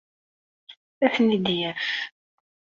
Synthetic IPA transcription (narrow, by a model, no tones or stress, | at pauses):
æθnid̪jæf